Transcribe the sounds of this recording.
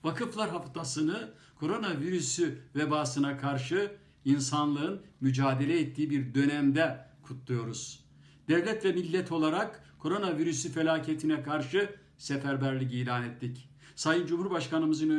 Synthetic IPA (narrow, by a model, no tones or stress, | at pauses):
vakʰɯflˠaɾɦaft̪ʰasɯnɯ | kʰo̞ɾo̞naviɾysyvebaːsɯnakʰaɾʃɯ | insanlˠɯɯnmyd͡ʒaːd̪e̞lʲɛɛt̪ʰːiːibiɾd̪ø̞næmd̪ɛkʰut̪ʰlˠujo̞ɾuz̥ | d̪̥ɛvlʲɛt̪vʲɛmilʲːɛt̪ʰo̞lˠaɾak | kʰo̞ɾo̞naviɾysyfe̞lʲaːcʰet̪ʰinɛkʰaɾʃɯ | sepæɾbæɾlʲic̬iːlʲaːnɛt̪ʰːic | sajɯnd͡ʒumhuɾbaʃkanɯmɯzɯnø